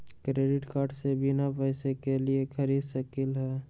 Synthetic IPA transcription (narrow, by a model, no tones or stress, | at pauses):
kɾeːɖɪʈkaːɾɖsebʱinapəɪsekeliekʰəɾid̪səkilɦɛ